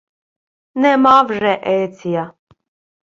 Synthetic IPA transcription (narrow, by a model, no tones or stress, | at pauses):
nɛmaːvʐɛʔɛːt͡s̪ʰija